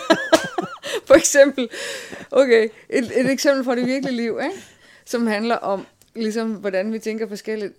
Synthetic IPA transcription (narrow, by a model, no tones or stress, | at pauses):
fɒ̽eɡ̥sem̰b̥l̩ʔokʰeʔed̥e̝deɡ̥semb̥l̩fɒ̽ɾ̥e̝ʋiɐɡ̥əliəliʊ̰eɡ | sɒ̽mhænlɐʔɒ̽m | lis̬ɒ̽mʋɒd̥ænʋit͡sʰeŋɡ̥ɐfɒ̽sɡ̥el̰id̥